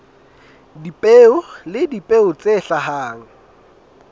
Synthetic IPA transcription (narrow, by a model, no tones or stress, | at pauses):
dipʼeʊlɪdipʼeʊt͡sʼeɬaɦaːŋ̩